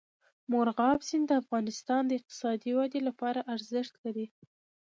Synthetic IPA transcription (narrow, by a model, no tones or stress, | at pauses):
moɾɣɑbsind̪əafɣɑnɪst̪ɑnd̪əɪq̚t̪ɪ̥sɑd̪iwad̪elapɑɾaʔaɾzɪʃt̪laɾi